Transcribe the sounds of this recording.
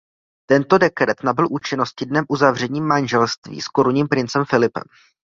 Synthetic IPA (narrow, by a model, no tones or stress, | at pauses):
t̪ɛnt̪o̞dɛkɾɛt̪nabɪlʔuːt͡ʃɪno̞scɪdnɛmʔuzavr̝ɛɲiːmːanʒɛlst̪vḭːsko̞ɾuɲiːmpɾɪnt͡sɛmfɪlɪpɛ̰m